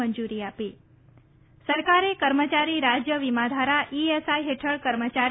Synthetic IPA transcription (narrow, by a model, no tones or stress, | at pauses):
əɲd͡ʒuɾiapi | səɾkaɾekəɾmət͡ʃaɾiɾad͡ʒjəʋimad̪ʱaɾaʔiesaiɦeʈʰəɭkəɾmət͡ʃa